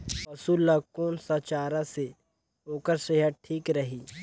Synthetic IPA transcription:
pɐsuːlːakoːnsɐt͡ʃaːɾase | oːkəɾseɦəʈʰiːkɾɐɦiː

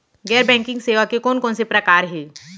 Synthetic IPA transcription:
ɡɛːɾbɛ̃ːŋkɪ̃ŋɡseːʋakekɔːnkɔːnsepɾɐkaːɾɦɛː

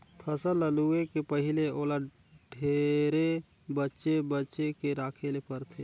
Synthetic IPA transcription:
pʰəsələluekepəɦɪleoːla | ɖʱeːɾe | bətːʃebətːt͡ʃekeɾaːkʰelepəɾt̪ʰe

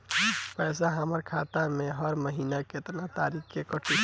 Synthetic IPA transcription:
pɛːs̬aɦəməɾkʰaːt̪amẽɦəɾməɦiːnaket̪nat̪aɾikkekəʈʰu

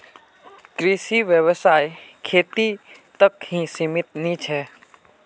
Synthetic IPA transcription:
kɾiʃiʋjəʋsaːjkʰeːt̪it̪əkhĩsimɪt̪nĩt͡ʃʰɛː

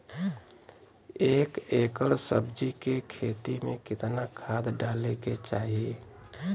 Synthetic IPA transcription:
eːkeːkəɾsəbd͡ʒikekʰeːt̪imḛ̃kɪt̪nakʰaːd̪ɖaːleket͡ʃaːɦie

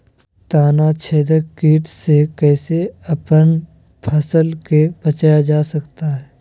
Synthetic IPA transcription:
t̪aːnat͡ʃʰeːd̪əkiːʈsekɛːseɐpən | pʰɐsəlkebɐt͡ʃaːjad͡ʒaːsɐkt̪aɦɛː

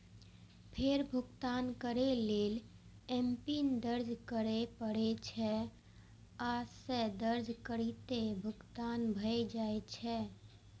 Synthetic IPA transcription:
pʰeɾbʱʊkt̪ankəɾelel | empind̪əɾd͡ʒʱkəɾepəɽɛt͡ʃʰɛ | ased̪əɾd͡ʒkəɾit̪ebʱʊɡt̪anbʱəjd͡ʒaet͡ʃʰɛ

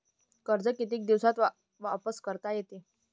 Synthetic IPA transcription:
kəɾd͡zəkit̪iːk̚d̪iʋsat̪a | ʋapəskəɾt̪ajet̪e

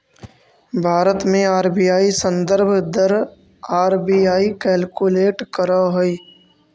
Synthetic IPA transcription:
bʱaːɾət̪mẽaːɾbijaːisə̃nd̪əɾbʱd̪əɾ | aːɾbiːaːikɛːlkuleːʈkəɾaɦoi

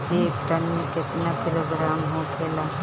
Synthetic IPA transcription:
kieːkʈənmẽkɪt̪nakɪloːɡɾaːmɦõkʰeːlaː

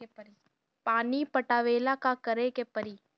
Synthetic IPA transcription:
ɾi | paːnipɐʈaːʋeːlakakɐɾekepɐɾiː

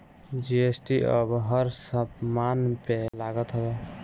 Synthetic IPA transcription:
d͡ʒiesʈiʔə̰bɦəɾsəbmanpelaɡət̪ɦəbe

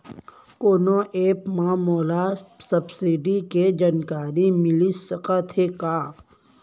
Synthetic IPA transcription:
koːnoʔeːpmãmoːlasəbsiɖiked͡ʒankaːɾimɪlisəkat̪ʰekaː

